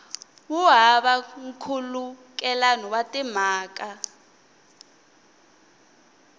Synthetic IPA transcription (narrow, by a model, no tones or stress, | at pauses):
wuɦaɓaŋ̩kʰuluk̬ʼɛlanɔwatʼɛmaːk̬ʼa